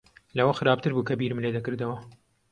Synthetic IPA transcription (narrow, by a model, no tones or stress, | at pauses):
lɐwɐxɨɾaːb̚t̪ɨɾbuːkɐbiɾɨmled̪ɐkɨɾd̪ɐwɐ